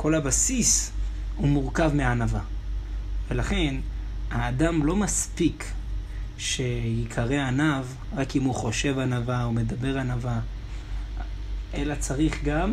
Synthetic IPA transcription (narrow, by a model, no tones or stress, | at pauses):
ko̞lhabasis | humuʁkavmeanava | ve̞laχe̞n | haːdamlo̞maspik | ʃe̞jikʰaʁeanav | ʁakimuχo̞ʃe̞vanavaome̞dabe̞ʁanava | ʔe̞lat͡saʁiχɡam